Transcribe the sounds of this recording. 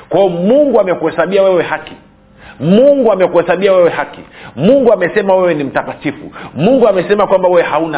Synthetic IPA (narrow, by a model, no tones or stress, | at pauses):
kwajɔmuŋɡuamɛkuhɛsaɓiawɛwɛhaki | muŋɡuamɛkuhɛsaɓiawɛwɛhakimuŋɡuamɛsɛmawɛwɛnim̩tapatifṵmuŋɡuamɛsɛmakwambawɛwɛhauna